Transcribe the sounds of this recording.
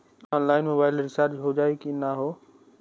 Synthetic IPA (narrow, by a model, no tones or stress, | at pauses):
ɔ̃ːnlaːɪnmoːbaːɪlɾɪsaːɾd͡ʒɦod͡ʒaːekinaɦoː